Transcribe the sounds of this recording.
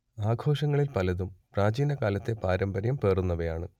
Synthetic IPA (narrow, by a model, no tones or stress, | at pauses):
aːɡʱo̞ːʂɐŋːɐɭilpɐlɐðumpraːd͡ʑiːnɐkaːlɐt̪ːe̞paːɾɐmbɐɾjɐmpe̞ːrunːɐʋɐjaːɳɨ